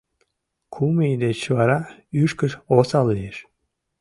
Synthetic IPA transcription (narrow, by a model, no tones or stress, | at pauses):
kʰumid̪et͡ɕvɑɾɑyʃkəʃosɑlˠieʃ